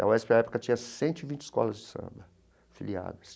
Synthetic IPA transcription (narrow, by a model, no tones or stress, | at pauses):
ɐ̰wɛspeaɛpu̥kɐt͡ʃĩɲɐsẽnt̪ʊivĩnt͡ʃɪ̥skɔ̰lɐzd͡ʒɪsɐ̰̃mbɐ | filia̰d̪ɐs